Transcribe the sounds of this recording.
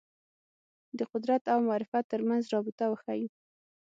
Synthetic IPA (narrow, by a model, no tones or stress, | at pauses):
d̪əqʊd̪ɾat̪awmʊɑɾɪfat̪ːəɾmanzɾɑbɪt̪awəxaji